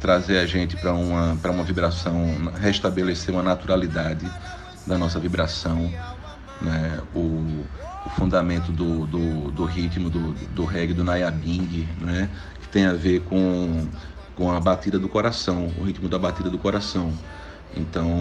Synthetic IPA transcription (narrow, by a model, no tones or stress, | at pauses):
t̪ɾazeɾaʒẽnt̪ɪ̥pɾɐũmɐpɾɐũmɐvibɾasɐ̃w̃ɦeʃt̪abeleseɾũmɐnat̪uɾalid̪ad͡ʒɪ | d̪ɐnɔsɐvibɾasɐ̃w̃ | nɛʊː | fũnd̪amẽnt̪ʊd̪ʊd̪ʊd̪ʊɦit̪mʊd̪ʊd̪ʊɦɛɡɪd̪ʊnajabĩɡɪnɛ | kɪ̥t̪ẽj̃aveɾkõ | kõɐbat̪id̪ɐd̪ʊkoɾasɐ̃w̃ʊ̰ɦit̪mʊd̪ɐbat̪id̪ɐd̪ʊkoɾasɐ̃w̃ | ḛ̃nt̪ɐ̃w̃